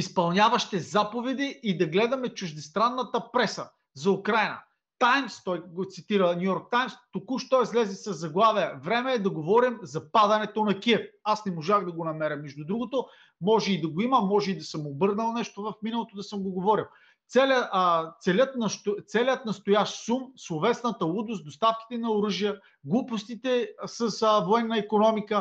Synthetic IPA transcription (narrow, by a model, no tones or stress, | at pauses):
ispɐlˠnʲavɐʃt̪ɛzapovɛd̪iʔːd̪ɐɡlɛd̪ɐmɛt͡ʃʊʒd̪ɛst̪ɾanːɐt̪ɐpɾɛsə | zɐukɾajnɐ̰ | t̪ajmst̪ɔjɡot̪sit̪iɾənʲjujɔɾk̚t̪ajmst̪okuʃt̪ɔizlɛzɛsɐzːɐɡlˠaviɛvɾɛmɛːd̪ɐɡovɔɾimzɐpad̪ɐnɛt̪onɐkʲiɛfasnɛmoʒaɣd̪ɐɡonɐmɛɾɐmːɛʒd̪ʊd̪ɾuɡot̪o | mɔʒɛid̪ɐɡoiməmɔʒɛid̪ɐsəmobɤɾnəlˠnɛʃt̪ovɐfminɐlˠot̪od̪ɐsɤmɡoɡovɔɾilˠ | t̪sɛlət̪sɛlʲət̪nɐʃt̪ot̪sɛlʲət̪̚nɐst̪ojaʃt̪sumslˠovɛsnɐt̪əud̪ʊs̚d̪ost̪afki̥t̪ɛnɐoɾɤʒijə | ɡlˠupost̪it̪ɛsəsvoɛnːɐikonɔmikə